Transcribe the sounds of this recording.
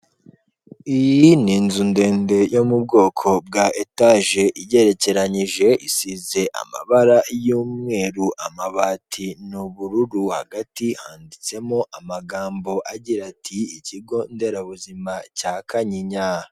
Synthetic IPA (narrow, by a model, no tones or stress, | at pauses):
ijiniːnzunde̞ːnde̞jo̞mub̚ɡo̞ːkʰo̞bɡaʔetaʒe̞ʔije̞ɾe̞ce̞ɾaɲiʒe̞ʔisize̞ʔa̰ma̰βaɾajuːmŋe̞ːɾuʔamaβaːtʰinuβuɾuɾuha̰ɡatihaːndit͡se̞moʔamaɡaːmbo̞ʔaɟiɾatʰiiciɡo̞nde̞ɾaβuzimacaːkaɲiɲa